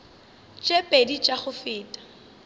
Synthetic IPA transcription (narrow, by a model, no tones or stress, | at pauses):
t͡ʃʼepʼedit͡ʃʼaχʊfɪːtʼḁ